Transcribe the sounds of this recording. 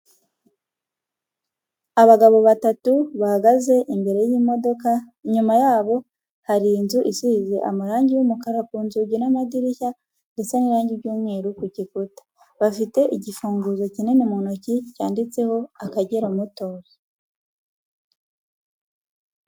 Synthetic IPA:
aβaɡaβo̞βatatuβahaɡaze̞ʔimbe̞ɾe̞jiːmo̞do̞ka | iɲumajaːβo̞ | haɾiːnzuʔisuhizeʔa̰maɾaːɲɟiwumukaɾakuːnzuɡinamadiɾiça | ŋɡesaniɾaːɲɟiɾɟuːmŋeːɾukucikutḁ | βafite̞ʔiɟifuːŋɡuzo̞cine̞numunocicaːndit͡se̞ho̞akaɟeɾamuto̞ːɾi

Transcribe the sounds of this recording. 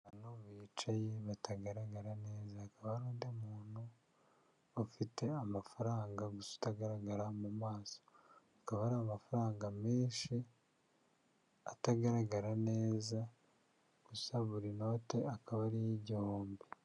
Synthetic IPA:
βanoβiːt͡ʃajeβataɡaɾaɡaɾane̞ːzaːkaβaɾoːndemuːnhu | ofite̞amafaɾaːŋɡaɡuso̥taɡaɾaɡaɾamumaːso̥ | akaβaɾamafuɾaːŋɡamiːʃi | ataɡaɾaɡaɾane̞ːza | ɡ̥usaβuɾino̞ːte̞akaβaɾijiɟihoːmbi

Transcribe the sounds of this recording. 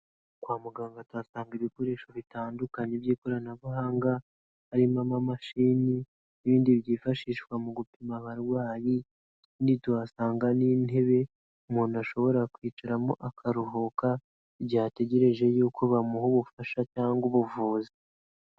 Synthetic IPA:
kwaːmuɡaːŋɡatwasaːŋɡiβiko̞ɾe̞ːʃoβitaːndukaɲebjiːko̞ɾanaβuɦaːŋɡa | haɾimamamaʃiːni | iβiːndiβjiːfaʃiːʃkwamuɡupimaβaɾwaːji | indituhasaːŋɡaniːne̞βe̞ | umuːnuaʃo̞βo̞ɾakwiːt͡ʃaɾamo̞ʔakʰaɾuɦoka | ibɟiate̞ɟe̞ɾe̞ʒe̞jukʰoβamuhuβufaʃacaːŋɡuβuvuːze

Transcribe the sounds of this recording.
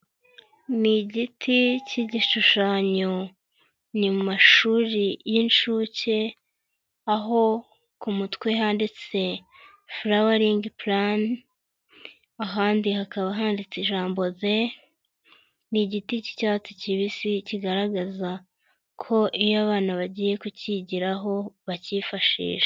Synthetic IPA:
niɟitʰiciɟiʃuʃaːɲo | nimumaʃuːɾijinʃuːce̞ | aɦo̞ | kumutkweɦaːndit͡se̞ | fɾawaɾiːŋɡipɾan | aɦaːndiɦakaβaɦaːndit͡siʒaːmbo̞ze | niɟitici̥caːt͡siciβisiciɡaɾaɡaza | kʰo̞ʔijaβaːnaβaɟiːje̞kuciɟiɾaɦo̞βacifaʃḭːʒ̥e̥

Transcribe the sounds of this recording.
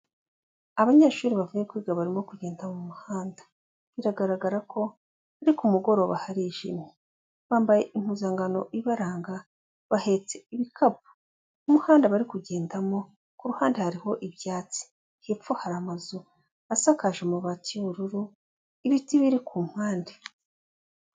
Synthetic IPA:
aβaɲeːʃuːɾiβavuje̞kwiːɡaβaɾimo̞kuɟe̞ːndamumuhaːndḁ | βiɾaɡaɾaɡaɾakʰo̞ | βaɾikumuɡo̞ɾo̞βa̰haɾiʒḭmi | βaːmbaje̞ʔim̥uzaːŋɡano̞̰ʔiβaɾaːŋɡa | βahe̞t͡seiβikʰab̚u̥ | umuhaːndaβaɾikuɟe̞ːndamo̞ | kuɾuhaːndehaɾiho̞ʔiβjaːt͡si̥ | hefohaɾamazu | asakaʒemuβatiβuɾuɾu | iβitiβiɾikuːm̥haːnde

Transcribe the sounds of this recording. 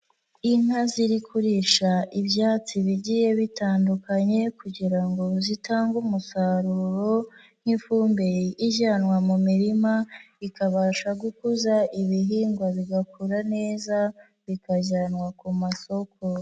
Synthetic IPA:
in̥haziɾikʰuɾiʃaʔibjaːt͡siβiɟiːje̞βitaːndukaɲe̞kuɟiɾaŋɡo̞zitaːŋɡumusaɾuɾo̞ | n̥hiɱfuːmbe̞jiʔiʒanwamumiɾima | ikaβaːʃaɡukuzaʔiβiɦiːŋɡwaβiɡakuɾane̞ːza | βikaʒanwakumaso̞kʰo

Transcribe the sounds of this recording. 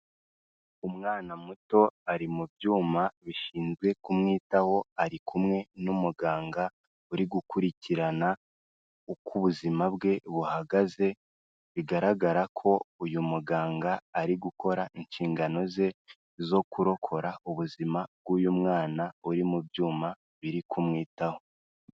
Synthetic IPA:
umŋaːnamuto̞aɾimubjuːmaβiʃiːnzɡwe̞kumŋiːtaho̞aɾikumŋe̞numuɡaːŋɡa | uɾiɡukuɾiciɾana | ukʰuβuzimabɡe̞βuhaɡaze̞ | βiɡaɾaɡaɾakʰo̞ujumuɡaːŋɡaːɾiɡukʰo̞ɾainʃiːŋɡano̞ze̞ | zo̞kuɾo̞kʰo̞ɾauβuzimab̚ɡuːjumŋaːnauɾimubjuːma | βiɾikʰumŋiːtaho̞

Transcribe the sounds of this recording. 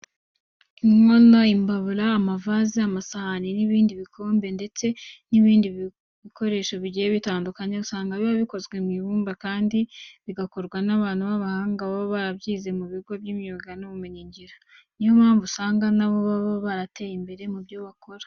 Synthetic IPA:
imŋonoimbaβuɾaːmavaziamasahaniniβiːndiβikʰo̞ːmbe̞nde̞t͡se̞niβiːndi | βiko̞ɾe̞ːʃoβiɟijeβitaːndukaɲeusaːŋɡaβiβaβiko̞zɡwemwiβuːmbakaːndiβiɡako̞ɾɡwanaβaːn̥huβaβahaːŋɡaβaββaɾaβɟiːze̞muβiɡo̞bjimuːŋɡanoβumeɲiɲɟiɾanijomhaːɱvusaːŋɡanaβoβaβoβaɾate̞ːjimbe̞ɾe̞mubjoβako̞ɾḁ

